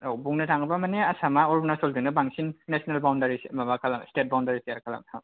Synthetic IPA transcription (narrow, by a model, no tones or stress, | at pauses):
owbuŋnɐtʰaŋbamaneasamaɔɾbɔnasoldiŋnɐbaŋsinːesonalbawndaɾismabakʰalamstet̚bawndaɾiseaɾkʰala̰msʰa